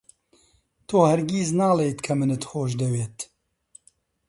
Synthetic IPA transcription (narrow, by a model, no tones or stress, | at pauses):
t̪ʰoːhɛɾɡiːznaːleːjt̪kʰɐmɨnɨt̪xoːʃd̪ɛweːt̪